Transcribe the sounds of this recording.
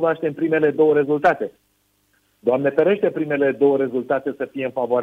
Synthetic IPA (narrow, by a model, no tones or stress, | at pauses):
vaʃt̪empɾime̞le̞d̪o̞wəɾe̞zult̪at̪e̞ | d̪oamne̞feɾe̞ʃt̪e̞pɾime̞le̞d̪o̞wəɾe̞zult̪at̪e̞səfije̞ɨnfavoɾ